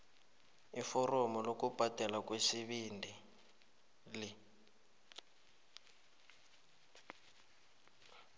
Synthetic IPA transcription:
ifɔrɔmɔlokub̥ʱatɛlakwesiβiːndʱi | li

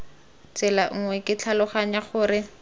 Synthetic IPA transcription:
t͡sɪlaŋ̩ŋwɛkʼɪt͡ɬʰalʊχaɲaχʊːɾɪ

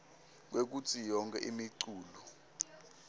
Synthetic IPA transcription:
k̬wek̬ut͡sʰʼijɔŋkʼɛʔimiǀuːlu

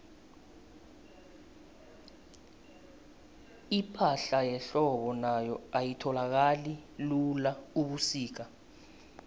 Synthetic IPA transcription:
ipʰaɬajɛɬɔɓɔnajɔajitʰɔlak̬alilulauɓusiːk̬a

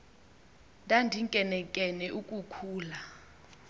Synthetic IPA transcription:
ndʱandʱiŋkʼɛnɛkʼɛnɛʔukʼukʰuːla

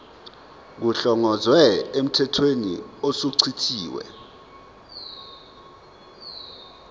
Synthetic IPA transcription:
k̬uɬɔŋɔzwɛem̩tʰɛtʰwenḭosuǀʰitʰiːwɛ̰

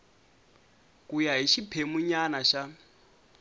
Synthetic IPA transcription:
kʼujaɦiʃipʰemuɲanaʃa

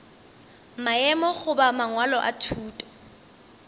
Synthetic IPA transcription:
maɛmɔχʊbamaŋwalɔʔa̰tʰuːtʼɔ̥

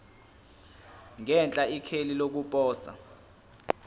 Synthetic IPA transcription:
ŋɛnt͡ɬʼaikʰelilok̬upʼɔːsa̰

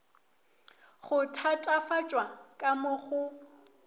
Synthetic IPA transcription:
χʊtʰatʼafat͡ʃʼwakʼamʊχʊ

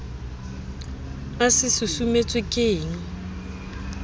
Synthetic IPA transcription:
asɪsʊsumet͡sʼwɪkʼeːŋ̩

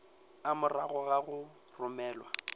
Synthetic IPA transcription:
amʊraɣɔɣaɣʊ | rʊmɛːlwa

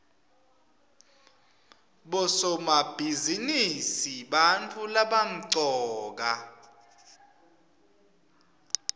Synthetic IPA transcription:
ɓɔsɔmab̥ʱizinisiɓant͡fʰulaɓam̩ǀɔːk̬a

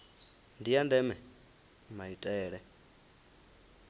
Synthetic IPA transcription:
ndijandɛmɺɛ | majutʼɛːɺɛ

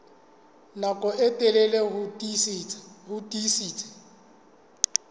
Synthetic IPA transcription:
nakʼɔetʼɛleleɦʊ | hʊtʼisiːt͡sʼḁ

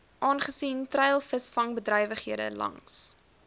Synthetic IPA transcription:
ʔɑːnχəsiːntrɛjlˠfəsfɐŋbədrɐjvəχɦiədə̰lɐ̰ŋs

